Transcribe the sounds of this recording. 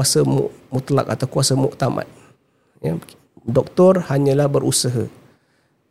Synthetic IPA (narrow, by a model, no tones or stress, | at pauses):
asəmṵʔmut̪la̰k̚at̪awkuasəmuʔt̪ama̰t̪̚ | ja | dɔk̚t̪ɔrhaɲə̃lahbəɾʔusəɦə̰